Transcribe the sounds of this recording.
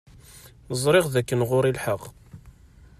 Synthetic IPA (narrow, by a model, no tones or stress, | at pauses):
nəzˤɾˤɪʁðækːənʁʊɾilħəqː